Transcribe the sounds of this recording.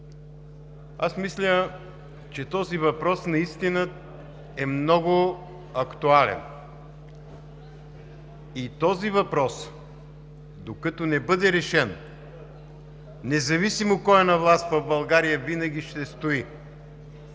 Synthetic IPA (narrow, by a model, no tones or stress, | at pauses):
asmislʲə | t͡ʃɛt̪ɔzivɐpɾɔsnɐist̪inə | ɛmnɔɡʊ | ɐkt̪ualɛ̰n | it̪ɔzivɐpɾɔs | d̪okət̪onɛbɤd̪ɛɾɛʃɛn | ɛzɐvisimokɔjənɐvlˠast̪vɐvbɐlˠɡaɾijəvinəɡʲiʃt̪ɛst̪oi